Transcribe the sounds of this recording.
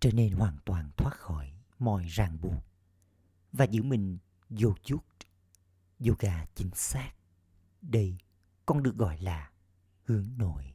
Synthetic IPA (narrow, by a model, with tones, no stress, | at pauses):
t͡ɕɔ˧ne˧nhwaː˨˩ŋt̪waː˨˩nt̪ʰwaː˦˥t̚xɔ˧˩˦j | mɔ̰˧˨jzaː˨˩ŋɓu˨˩ək̚ | vaː˨˩zɨ̰˧˥mï˨˩ŋ̟ | zo˧zu˦˥t̚ | zo˧ɣaː˧˩t͡ɕï˨˦ŋ̟saː˦˥k̚ | ɗə˧j | kɔ˧nɗɨ˨˩ək̚ɣɔ̰˧˨jlaː˨˩ | hɨ˨˦əŋno̰˧˨j